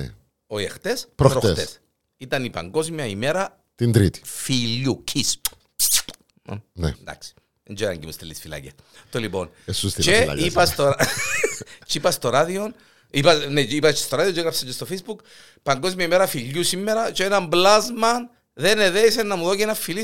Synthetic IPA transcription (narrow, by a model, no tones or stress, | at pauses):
oiḛxt̪espɾopɾot̪t̪es | it̪ɐnipɐ̰ŋɡo̞zmjɐimeɾɐ | t̪ind̪ɾḭt̪i̥fiʎːucʰis | nḛnd̪ɐa̰ksi̥ | end͡ʒoiɾɐ̰ɲɟimust̪elːisfilɐ̰ces | t̪olipo̞̰n | esust̪t͡ʃeɐ̰ipɐst̪oɾ | t͡ʃipɐst̪oɾaðion | ipɐneipɐt͡ʃest̪oɾaðiot͡ʃeɣɾɐpset͡ʃest̪ofejzbuk | pɐŋɡozmiɐimeɾɐfiʎːusimːeɾɐt͡ʃenɐmblazmɐn | ðeneðeisenːɐmuðocenɐfːili